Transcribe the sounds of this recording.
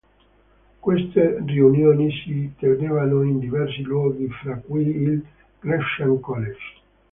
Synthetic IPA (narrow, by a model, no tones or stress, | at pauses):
kwest̪eriunjoːnisit̪enevanoind̪ivɛrs̬ilwɔːɡifɾakːujil | kɾɛʃaŋkɔled͡ʒ